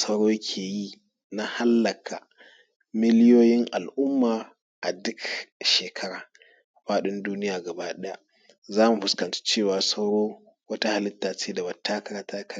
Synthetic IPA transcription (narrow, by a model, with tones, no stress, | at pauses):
sɐ˦wɽoː˦kʲʰeː˨ji˦ | na˦ha˦lːɐ˨kʰa˨ | mɪ˦lɪ˦joː˦jɪ˦ŋʔa˨lʔʊ˦mːaː˨ | ʔa˨dʊ˦kʃeː˨kʰɐ˦ɽaː˨ | ɸaː˦ɗɪ˦nduː˦nɪ˦jaː˨ɡɐ˨baː˦ɗɛ˦ja˦˨ʔ | zaː˦mu˨ɸʊ˦skɐ˨nt͡ʃe̥˦t͡ʃeː˦˨waː˨sa˦wɽoː˦ | wɐ˦ta˦ha˨lɪ˦tːaː˨t͡ʃeː˦da˨bɐ˨tːaː˦kɐ˦ɽa˦taː˦kɐ˦a˦